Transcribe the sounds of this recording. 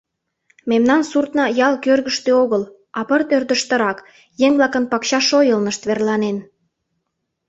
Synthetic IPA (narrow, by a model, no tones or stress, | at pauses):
memnɑnsurt̪nɑjɑlkørɣəʃt̪eoɣəl | ɑpərt̪ørd̪əʃt̪ə̆ɾɑk | jeŋβlɑkənpɑkɕɑʃojəlnəʃt̪βerlɑnen